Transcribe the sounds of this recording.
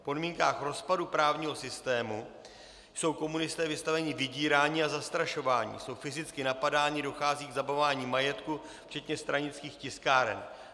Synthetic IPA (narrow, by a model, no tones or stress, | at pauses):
po̞dmiːŋkaːxɾo̞spadupɾaːvɲiːɦo̞sɪst̪ɛːmu | so̞wko̞munɪst̪ɛːvɪst̪avɛɲɪvɪɟiːɾaːɲiːazast̪ɾaʃo̞vaːɲḭːso̞wfɪzɪt͡skɪnapadaːɲɪdo̞xaːziːɡzabavaːɲiːmajɛt̪ku | ft͡ʃɛt̪ɲɛst̪ɾaɲɪt͡skiːxcɪskaːɾɛ̰n